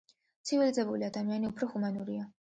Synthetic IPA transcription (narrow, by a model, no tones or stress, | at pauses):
t̪sʰivilizɛbuliad̪amianiupʰɾɔhumanuɾia